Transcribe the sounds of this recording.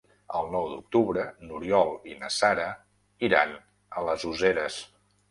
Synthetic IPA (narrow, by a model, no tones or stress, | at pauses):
əlˠnɔwd̪uk̚t̪uβɾənuɾiɔlˠinəsaɾə | iɾa̰n | ələzuzeɾəs